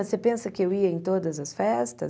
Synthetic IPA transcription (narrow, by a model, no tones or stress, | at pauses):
ɐsepẽnsɐkɪewiɐẽj̃t̪od̪ɐzɐsfɛst̪ɐ̰